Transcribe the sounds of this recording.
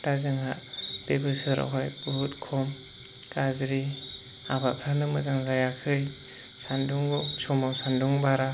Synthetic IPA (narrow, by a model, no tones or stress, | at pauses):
d̥azɯŋɦa̰b̥ebɯsɯɾa̰ɦajbuɦutkʰɔm | kazɾi | abapʰanɯmɯzaŋzajakʰɯj | sanduŋɡɔsɔmawsanduŋbaɾa